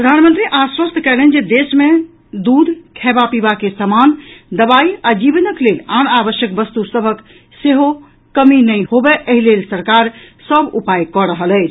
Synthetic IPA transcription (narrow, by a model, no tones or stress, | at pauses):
ppɾəd̪ʱanmənt̪ɾiʔaswəst̪ʰkɛlɦɛnd͡ʒed̪esmẽ | d̪ud̪ʱkʰɛbapibakesəmand̪əbaiad͡ʒibnəklelanabəʃjək̚bəst̪usəbʱək | seɦo | kəminəjhobeʔəɦilelsəɾkaɾsəbupajkɔɾəɦəlɛɪt͡ʃʰ